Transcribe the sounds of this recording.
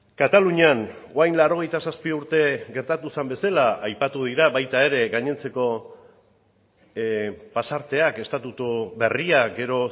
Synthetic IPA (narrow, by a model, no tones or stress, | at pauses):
kat̪aluɲean | oajnlaɾo̞ɣ̞e̞jt̪asaspiuɾt̪e̞ɣe̞ɾt̪at̪usambe̞salaajpat̪uðiɾaβajt̪ae̞ɾe̞ɡaɲe̞nt͡se̞ko̞ | pasaɾt̪e̞ake̞st̪at̪ut̪uβe̞riaɡe̞ɾo̞